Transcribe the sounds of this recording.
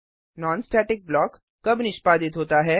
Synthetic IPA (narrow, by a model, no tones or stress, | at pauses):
nɔːnsʈɛːʈɪk̚blɔːkː | ɐbnɪʃpaːd̪ɪt̪ɦoːt̪aɦɛː